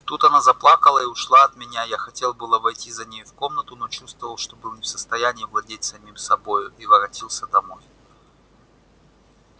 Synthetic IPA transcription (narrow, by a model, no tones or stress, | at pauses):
t̪ut̪ɐnazɐplˠakəlˠəiʊʂlˠaɐt̪mʲɪnʲajaxɐtʲe̞lˠbɨlˠəvɐjtʲizɐnʲejʊfko̞mnət̪ʊno̞t͡ɕust̪vəvəlˠʂt̪o̞bɨlˠnʲɪfsə̥st̪ɐjænʲɪːvlˠɐdʲetʲsɐmʲimsɐbojʊivəɾɐtʲilˠsʲəd̪ɐmo̞j